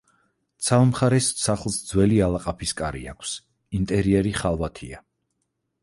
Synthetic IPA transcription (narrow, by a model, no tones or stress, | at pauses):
t̪sʰalmχaɾɛssaχlˠsd̪zwɛlialˠaqʼapʰiskʼaɾḭa̰kʷʰs | int̪ʼɛɾiɛɾiχalˠvat̪ʰia